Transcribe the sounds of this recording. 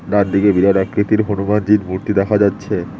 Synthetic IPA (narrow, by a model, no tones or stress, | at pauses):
ɾaɾd̪iɡebiɾaɾakɾit̪iɾɦonumand͡ʑiɾmuɾt̪id̪ɛkʰad͡ʑatːɕʰe